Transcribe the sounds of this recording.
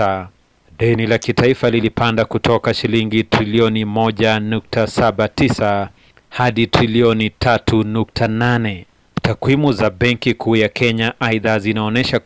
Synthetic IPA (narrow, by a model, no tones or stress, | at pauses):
ɗɛnilakitaifalilipandakutʰɔkaʃiliŋɡitɾiliɔnimɔʄanuk̚tʰasaɓatisa | haɗitɾiliɔnitʰatʰunuk̚tʰananɛ | tʰakwimuzaɓɛŋkikʰuːjakʰɛɲaʔaiðazinaɔnɛʃa